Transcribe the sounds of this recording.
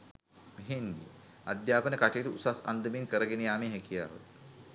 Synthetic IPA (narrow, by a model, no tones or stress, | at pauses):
eɦend̪ḭ | ad̪jaːpənəkaʈejʈuusasa̰nd̪əmenkəɾəɡenejaːmeɦɛkija̰ːʋə̰t̪